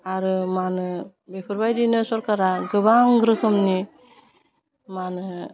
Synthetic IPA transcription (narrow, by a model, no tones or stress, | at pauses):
aɾɯmanɯ | bepʰɯɾbajdinɯsɔɾkaɾaɡɯbaŋɡɾɯkʰɯmni | manɯ